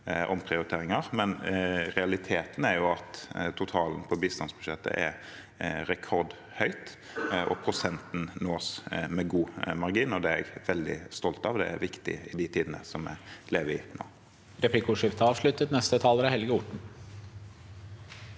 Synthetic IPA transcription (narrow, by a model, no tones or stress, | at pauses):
ʔɔ̰mpʰʁɪʊɾɪt̪ʰeːɾɪŋɑʁmɛnɾɛɑlɪt̪ʰeːt̪n̩æɾjʊɑt̪t̪ʰʊt̪ʰɑːln̩pʰɔbiːst̪ɑnsbʉd̪ʂɛt̪ːə̰ʔɛɾ | ɾɛkʰɔʁd̪ | hœʏt̪ | ʔɔ̰pʰɾʊsɛnt̪n̩noːsmɛɡuːmɑʁɡiːnɔd̪ɛɛɡʋɛld̪ɪ̰st̪ɔlt̪ɑʋd̪ɛ̰ɛ̰ɾʋɪkt̪ɪ̰ɪd̪ɪt̪ʰiːd̪ənə̰sɔmɛ̰leːʋəɪno̰ː | ɾɛpʰlɪkʊʂɪft̪ʰəɑːʋʂlʉt̪ət̪nɛst̪ət̪ʰɑːləɾɑhɛlɡəʊʈɳ̩